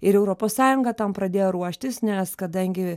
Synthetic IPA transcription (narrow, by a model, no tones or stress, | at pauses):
ɪɾɛʊɾoːpoːssɑːjʊŋɡɐt̪ɐmpɾɐd̪ʲeːjoːɾuɔʃʲt̪ʲɪsnʲɛskɐd̪ɐŋʲɡʲɪ